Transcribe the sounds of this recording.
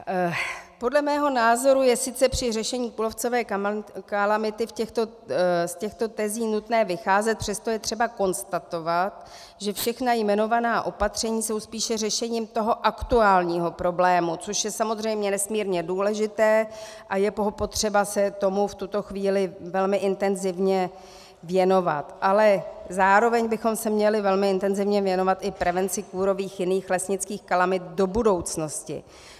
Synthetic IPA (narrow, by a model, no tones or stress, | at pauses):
po̞dlɛmɛːɦo̞naːzo̞ɾujɛsɪt͡sɛpr̥ɪrɛʃɛɲiːkulo̞ft͡so̞vɛːkalamɪt̪ɪfcɛxt̪o | scɛxt̪o̞t̪ɛziːnut̪nɛːvɪxaːzɛt̪̚pr̥ɛst̪ojɛt̪r̥ɛbako̞nst̪at̪o̞vat̪ | ʒɛfʃɛxnajmɛno̞vanaːʔo̞pat̪r̝̥ɛɲiːso̞wspiːʃɛrɛʃɛɲiːmt̪o̞ɦo̞ʔakt̪uaːlɲiːɦo̞pɾo̞blɛːmut͡so̞ʃjɛsamo̞zrɛjmɲɛnɛsmiːɾɲɛduːlɛʒɪt̪ɛːʔajɛpoɦopo̞t̪r̝̥ɛbasɛt̪o̞muft̪ut̪o̞xviːlɪvɛlmɪʔɪnt̪ɛnzɪvɲɛ | vjɛno̞va̰t̪ʔalɛzaːɾo̞vɛɲbɪxo̞msɛmɲɛlɪvɛlmɪɪnt̪ɛnzɪvɲɛvjɛno̞vat̪ʔɪpɾɛvɛnt͡sɪkuːɾo̞viːxjɪniːxlɛsɲɪt͡skiːxkalamɪt̪̚do̞budo̞wt͡sno̞scɪ̰